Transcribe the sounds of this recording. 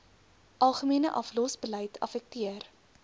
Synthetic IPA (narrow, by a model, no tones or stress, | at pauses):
ʔɐlˠχəmiənəʔɐflɔsbəlɛjtʰɐ̰fɛk̚tiər